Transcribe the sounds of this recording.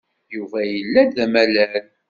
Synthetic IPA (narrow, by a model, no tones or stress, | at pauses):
juvæjəlːæd̪æmælæl